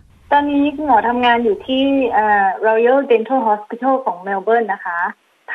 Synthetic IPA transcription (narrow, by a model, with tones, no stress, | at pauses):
t̪ɔː˧nːiː˦˥kʰɯ˧˩ŋkʰɔː˩˦t̪ʰa˧mŋaː˧njuː˨˩t̪ʰiː˥˩ʔɤː˨˩ɾa˧i˧a˥˩t͡ɕe˧nt̪ʰoː˥˩ɦɔː˦˥skʰi˧˩t̪ʰoː˥˩kʰɔː˩˦ŋmɛː˧wbɤː˥˩nːa˦˥kʰa˦˥